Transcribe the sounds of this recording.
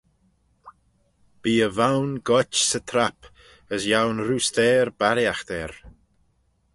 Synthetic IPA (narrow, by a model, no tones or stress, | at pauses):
b̥iːəvawnɡɔt͡ʃsət̪ʰɾap | əsjawnɾuːst̪ɛːɾbaɾjaxd̪̥ɛːɾ